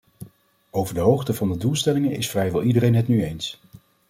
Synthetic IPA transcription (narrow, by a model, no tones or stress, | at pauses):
owvəɹdəɦowχtəvɑndədulˠstɛlɪŋənɪsfrɛjʋɛlˠidərejnɦətnyejns